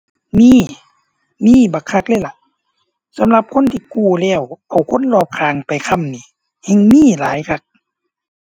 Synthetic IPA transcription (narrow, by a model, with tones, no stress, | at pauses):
miː˧˥˨ | miː˧˥˨ba˨˩kʰa˧k̚lɛː˧˩jla˧˩ʔ | sa˨˦mla˧p̚kʰo˧˥˨nt̪ʰiː˧kuː˧˩lɛː˧˩˨wʔa˨˩wkʰo˧˥˨nlɔː˧˩p̚kʰaː˨˧ŋpa˨jkʰa˧˨mniː˧˩ | hɛ˧˨ŋmiː˧˥˨laː˨˦jkʰa˧˩k̚